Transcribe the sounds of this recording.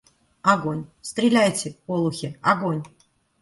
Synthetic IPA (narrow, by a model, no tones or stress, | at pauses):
aɡo̞nʲst̪ɾʲɪlʲæjtʲɪpolˠʊxʲɪaɡonʲ